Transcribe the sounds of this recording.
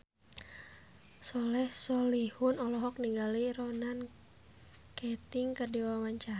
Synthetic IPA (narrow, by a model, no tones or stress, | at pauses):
sɔlɛhsɔlihunɔlɔɦɔk̚niŋɡalirɔnan | kɛt̪iŋkərdiwamaɲt͡ʃa